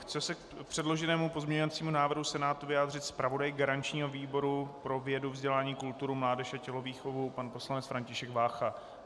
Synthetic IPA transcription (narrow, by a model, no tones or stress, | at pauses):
xt͡sɛsɛk̚ | pr̥ɛdlo̞ʒɛnɛːmupo̞zmɲɛɲovat͡siːmunaːvr̩ɦusɛnaːt̪uvɪjaːd̪r̝ɪt̪spɾavo̞dajɡaɾant͡ʃɲiːɦo̞viːbo̞ɾupɾo̞vɪjɛduvzɟɛlaːɲiːkult̪uɾumlaːdɛʃacɛlo̞viːxo̞vupanpo̞slanɛt͡sfɾaɲcɪʃɛɡvaːxa